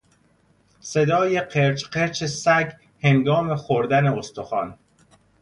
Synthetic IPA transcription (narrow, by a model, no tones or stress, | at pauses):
se̞d̪ɒːje̞qʰeɾt͡ʃʰqeɾt͡ʃʰesæɡ | he̞ŋɡɒːme̞xoɾd̪æne̞ost̪ʰoxɒːn